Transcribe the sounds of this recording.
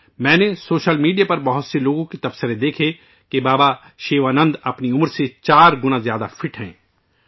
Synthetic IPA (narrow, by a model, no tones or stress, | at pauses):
mɛ̃ːnesoːʃəlmiːɖijapɐɾbɐɦʊt̪seloːɡõket̪ɐbsəɾed̪eːkʰe | kebaːba | ʃeːʋaːnə̃nd̪ɐpniʊməɾset͡ʃaːɾɡʊnãzjaːd̪afʰɪʈɦɛ̰̃ː